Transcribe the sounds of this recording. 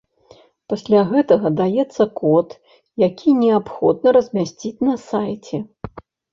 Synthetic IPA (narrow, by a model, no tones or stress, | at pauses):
pasʲlʲaɣɛt̪ɐɣɐd̪ajɛt̪sːɐkɔt̪ | jakʲinʲɛapxɔ̰d̪̚nɐɾɐzʲmʲasʲt͡sʲit͡sʲnɐsajt͡sʲɛ